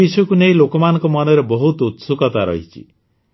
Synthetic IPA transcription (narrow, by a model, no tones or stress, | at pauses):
isɔjɔkunejlokɔmanɔ̃ŋkɔmɔnɔɾebɔɦut̪ut̪sukɔt̪aɾɔ̰ɦit͡ʃʰḭ